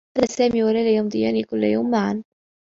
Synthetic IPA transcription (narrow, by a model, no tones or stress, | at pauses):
d̪asaːmiːwalalajamd̪ˤɨjaːnikʊlːajawmːaʕan